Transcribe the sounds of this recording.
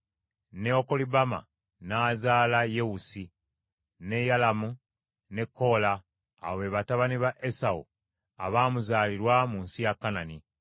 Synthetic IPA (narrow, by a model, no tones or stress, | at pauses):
neoko̞libama̰ | nazaːlajewusi | ne̞jalamu | ne̞kːo̞la̰ː | βe̞βataβaniβaʔesaṵ | a̰βaːmuzaːliɾwamunsijakːanani